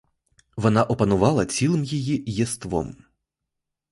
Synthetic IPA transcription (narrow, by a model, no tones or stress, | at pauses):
vɔnaʔɔpɐnɔvalˠɐsʲilˠɨmjɛjijɛst̪vɔ̰m